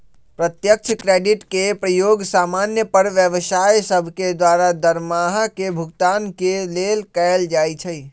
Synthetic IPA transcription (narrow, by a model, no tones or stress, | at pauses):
pɾət̪jək̚t͡ʃʰkɾeɖiʈkepɾəjoɡsamanjəpəɾʋjəʋsajsəbʱked̪waɾad̪əɾmaɦakebʱukt̪ankelelkəld͡ʒajt͡ʃʰəj